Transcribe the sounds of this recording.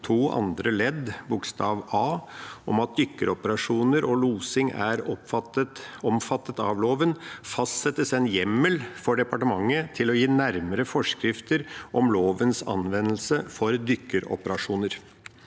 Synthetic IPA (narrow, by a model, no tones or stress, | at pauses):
t̪ʰuːʔɑ̰nd̪ɾəlɛd̪bʊkst̪ɑːʋɑːʔɔmɑt̪̚d̪ʏkːəɾɔpəɾɑʂuːnəɾʔɔluːsɪŋæ̰ɾɔəɔmfɑt̪ːət̪ɑ̰ʋloːʋənfɑst̪sɛt̪ːəsɛnjɛmːəlfɔɖɛpɑʈəmɑŋːət̪ʰɪlɔjiːnæɾməɾəfɔʂkɾɪft̪əɾʔɔmloːʋənsɑ̰nʋɛnəlsəfɔɾd̪ʏkːəɾɔ̰pəɾɑʂuːnəɾ